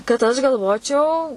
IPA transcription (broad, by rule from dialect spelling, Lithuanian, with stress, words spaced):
kɐt ɐʃ ɡɐlˠˈʋoːt͡ʃʲɛʊ